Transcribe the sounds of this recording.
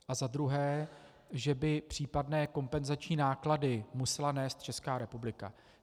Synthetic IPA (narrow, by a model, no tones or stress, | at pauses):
ʔazad̪ɾuɦɛː | ʒɛbɪpr̝̥iːpadnɛːko̞mpɛnzat͡ʃɲiːnaːkladɪmusɛlanɛːst̪̚t͡ʃɛskaːɾɛpublɪka̰